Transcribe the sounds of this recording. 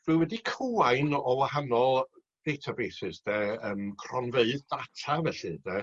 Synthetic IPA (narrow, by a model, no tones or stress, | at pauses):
v̥ɨwɛdikʰuaɨnɔwahanɔlˠ | d̥ejtʰabeːsɨsd̥ɛəːmkʰrɔnveɨðdatʰavɛɬɨdɛ